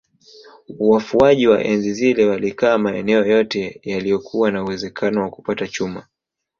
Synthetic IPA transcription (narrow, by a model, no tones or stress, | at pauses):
uwafuaʄiwa̰ʔɛnzizilɛwalikaːmaɛ̰nɛɔjɔtɛjalijɔkʰuwanauwɛzɛkʰanɔwaku̥patat͡ʃuma̰